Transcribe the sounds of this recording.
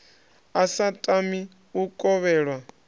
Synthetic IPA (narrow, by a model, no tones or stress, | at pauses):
asatʼami | ukʼɔβɛːɺwa